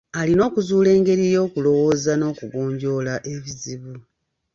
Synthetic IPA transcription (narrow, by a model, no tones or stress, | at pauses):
alino̞ːkuzuːle̞ːŋɡe̞ɾijo̞ːkulo̞wo̞ːzano̞ːkuɡoːɲɟo̞laʔe̞βiziβu